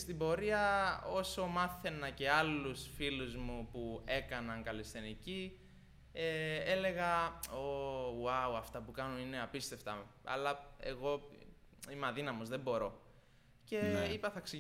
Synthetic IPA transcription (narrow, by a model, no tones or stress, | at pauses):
st̪ibo̞ɾiɐo̞so̞mɐθe̞nɐce̞ɐlusfiluzmupue̞kɐnɐŋkɐlest̪enici | ee̞le̞ɣɐoɐuɐft̪ɐpukɐnoine̞ɐpist̪e̞ft̪ɐɐ̰lɐḛɣo̞ | imɐðinɐmozðebo̞ɾo̞ | ce̞ipɐθɐksi